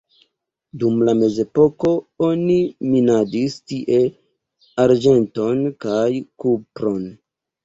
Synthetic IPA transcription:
dumlame̞ze̞po̞ko̞o̞niminadistiʔe̞ | aɾd͡ʒe̞nto̞nkajkupɾo̞n

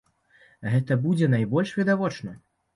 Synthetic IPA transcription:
ɣɛt̪ɐbud͡zʲɛnajbɔlʲʂvʲid̪avɔt͡ʂnɐ

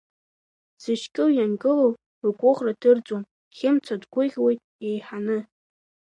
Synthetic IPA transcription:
sɨʃkʼɪjanɡʼɨlow | kʷʼʊχradʰɨrt͡sʼwam | χʲɪmt͡sʰadɡʷʊʁʲwejtʼ | e̞jħanɨ

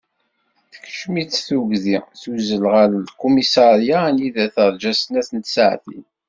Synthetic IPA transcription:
θəkʃmit͡sθuʝðiθuzəlʁəllkumisɑɾjaniðæθəɾˤd͡ʒæsənæθənt̪sʕθḭn

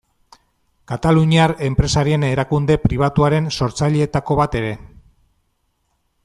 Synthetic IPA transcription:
kat̪aluɲiare̞mpɾe̞saɾie̞ne̞ɾakund̪e̞pɾiβ̞at̪uaɾe̞nso̞ɾt͡saʎeːt̪ako̞βat̪e̞ɾe̞

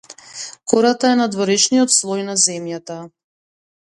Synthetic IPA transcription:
kɔɾat̪aɛnad̪vɔɾɛʃniɔt̪slˠɔjnazɛmjat̪a

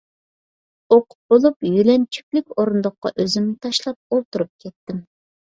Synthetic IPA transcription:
oqʰʊ̥t̪̚b̥olˠupjylɛnt͡ʃʰy̥kʲlɪkʲoɾund̪əqːɑ̰ʔøzɪmnɪt̪ʰɑʃlˠɑp̚olˠt̪uɾup̚kʲʰɛt̪ːɪm

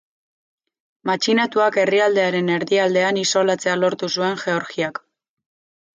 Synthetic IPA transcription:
mat͡ʃinat̪uake̞riald̪e̞aɾe̞ne̞ɾðiald̪e̞aniso̞lat͡se̞alo̞ɾt̪usue̞ŋʝe̞o̞ɾxiak

